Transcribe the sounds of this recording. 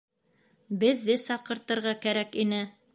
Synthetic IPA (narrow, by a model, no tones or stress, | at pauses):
bɘ̆ðːɘsɑqɤ̆ɾt̪ɤ̆ɾʁɑkæɾækinɘ